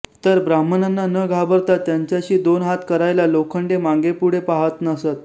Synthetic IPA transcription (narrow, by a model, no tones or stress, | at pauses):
t̪əɾbɾamənanːanəɡʱabəɾt̪at̪ːjaɲt͡ɕjaɕiːd̪onɦat̪kəɾajlalokʰəɳɖemãŋɡepuɽepaɦət̪nəsət̪